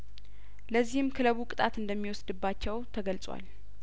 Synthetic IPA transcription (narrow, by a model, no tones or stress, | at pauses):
ləzːihɨmkʰɨləβukʼɨt̪ʼat̪ɨnd̪əmːiwɔsd̪ɨbːat͡ʃːɛwt̪ʰəɡəlsʼwa̰l